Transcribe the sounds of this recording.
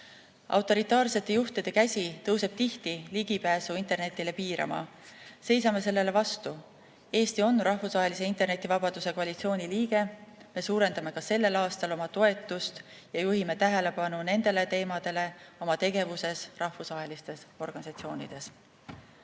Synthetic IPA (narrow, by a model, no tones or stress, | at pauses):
ʔɑ̰wt̪ːˑo̞ɾit̪ˑɑːrse̞t̪ːˑe̞juht̪id̪̥e̞kæsʲit̪ɤwse̞b̥t̪iht̪iliɡ̥ipæːsuint̪ˑe̞rne̞t̪ːˑile̞piːɾɑ̰mɑ̰ | se̞jsɑme̞s̬e̞lːe̞le̞vɑst̪u | e̞ːst̪io̞nrɑhfusvɑɦe̞lise̞int̪e̞rne̞t̪ːˑivɑbɑd̪̥use̞ko̞ɑlʲit̪sio̞ːnʲiliːɡe̞me̞suːɾe̞nd̪̥ɑme̞kɑse̞lːe̞lɑːst̪ɑlo̞mɑt̪o̞e̞t̪ːˑust̪ | jɑjuɦime̞t̪æɦe̞le̞pɑnune̞nd̪̥e̞le̞t̪e̞ːmɑd̪̥e̞le̞o̞mɑt̪e̞ɡe̞vuse̞srʔɑhfusvɑɦe̞list̪e̞so̞rɡ̥ɑnisɑt̪sio̞ːnʲid̪̥e̞s